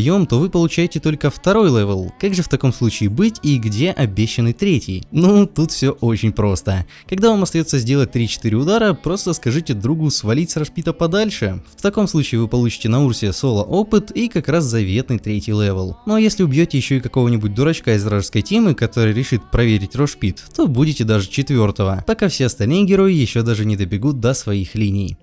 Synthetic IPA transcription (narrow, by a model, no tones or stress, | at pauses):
jo̞mt̪o̞vɨpəlˠʊt͡ɕæjɪtʲɪt̪o̞lʲkəft̪ɐɾo̞jlˠɛvʲəlˠkaɡʐɨft̪ɐko̞mslˠut͡ɕɪːbɨtʲiɡdʲe̞ʔɐbʲeɕːɪnɨt̪ɾʲetʲɪ̰jnut̪ut̪fsʲoʔo̞t͡ɕɪnʲpɾo̞st̪ə | kɐɡd̪avamɐst̪ɐjo̞t̪sːəzʲdʲelˠət̚ʲt̪ɾʲit͡ɕɪ̥t̪ɨɾʲɪʊd̪aɾəpɾo̞st̪əskɐʐɨtʲɪd̪ɾuɡʊsvɐlʲit̪ʲsəɾɐʂpʲit̪əpɐd̪alʲʂɨft̪ɐko̞mslˠut͡ɕɪːvɨpɐlˠut͡ɕɪ̥tʲɪnɐursʲɪəso̞lˠəʔopɨt̪ikɐkɾaszɐvʲe̞t̪nɨjt̪ɾʲetʲijlˠɛvəlˠno̞jesʲlʲɪʊbʲjotʲɪjɪɕːo̞ɪkɐko̞vənʲɪbʊt̚ʲd̪ʊɾɐt͡ɕkaɪzɾaʐəskəjtʲe̞mɨkɐt̪o̞ɾɨjɾʲɪʂɨt̪̚pɾɐvʲeɾʲɪtʲro̞ʂpʲit̪ːo̞budʲɪtʲɪd̪aʐɨt͡ɕɪt̪vʲo̞rt̪əvəpɐkafsʲeɐst̪ɐlʲnɨjɪɡʲɪɾo̞jɪjɪɕːo̞d̪aʐɨnʲɪd̪əbʲɪɡut̪̚d̪əsvɐixlʲinʲɪj